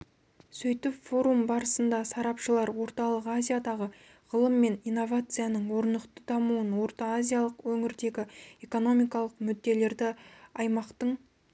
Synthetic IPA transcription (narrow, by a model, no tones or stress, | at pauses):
sɵjt̪ɪpfo̞ɾumbɑɾəsənd̪ɑsɑɾɑpʃəlˠɑɾwo̞ɾt̪ɑlˠəqazʲijad̪ɑʁə | ʁəlˠəmːe̞nijnːo̞vat̪sɨjanəɴwo̞ɾnəqt̪əd̪ɑmuənwo̞ɾt̪ɑːzʲijalˠəqwɵŋɪɾd̪e̞ɡʲɪe̞ko̞no̞mijkɑlˠəqmʏd̪ːe̞le̞ɾd̪ɪɑjmɑqt̪əɴ